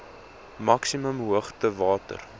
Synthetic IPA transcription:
mɐksiməmɦuəχtəvɑːtə̰r

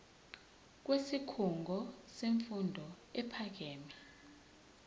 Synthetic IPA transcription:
k̬ʼwesikʰuŋɡʱɔseɱfundʱɔ | ɛpʰak̬eːmi

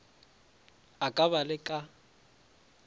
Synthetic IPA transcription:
akʼaβalɪkʼa

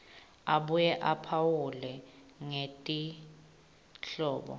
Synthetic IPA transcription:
aɓujɛʔapʰawulɛ | ŋetʼi | ɬɔːɓɔ̰

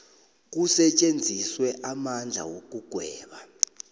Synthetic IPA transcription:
k̬usɛt͡ʃʼend͡zʱiswɛʔamand͡ɮʱa̰wok̬ʼuɡ̥ʱwɛːɓa

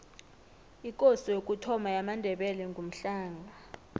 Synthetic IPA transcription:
ikʼosijok̬ʼutʰɔmajamandʱɛɓɛlɛŋɡʱum̩ɬaːŋa

